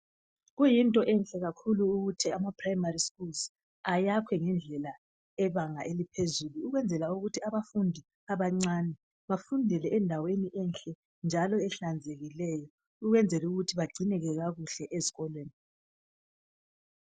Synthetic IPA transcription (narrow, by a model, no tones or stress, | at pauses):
ɣujintʼɔʔɛnɬʼɛɣakʰuluːɣutʰiamapʰrajmariskuls | ajakʰwɛŋɛnd͡ɮʱɛla | ɛβaŋaʔelipʰezuluːɣwɛnd͡zʱɛlauɣutʰiaβafundʱi | aβaŋ͡ǀanɛ | βafundʱɛlɛʔɛndʱaweniʔɛnɬʼɛ | nd͡ʒʱalɔɛɬand͡zʱeɣilɛjɔ | uɣwɛnd͡zʱɛluɣutʰiβaɡ͡ǀinɛɣɛɣaɣuɬɛʔezi̥ɣɔlweːni